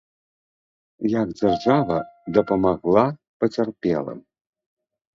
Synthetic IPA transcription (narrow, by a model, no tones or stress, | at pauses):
jakd͡zʲarʐavɐd̪ɐpɐmaɣlˠa | pɐt͡sʲarpʲɛ̰lˠɐ̰